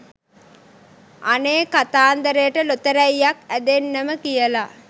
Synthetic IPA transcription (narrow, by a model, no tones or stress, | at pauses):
ʔaneːkat̪aːnd̪əɾejʈəlot̪əɾɛjːakæd̪enːəməkijəla